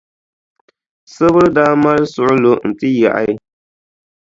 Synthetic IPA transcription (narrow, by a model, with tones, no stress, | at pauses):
sɨ˦βɨ˦daː˦ma˦ɾɨ˦sʊ˨ʔʊ˦lo˨n̩˨tɨ˦ja̰˨ʔa̰˦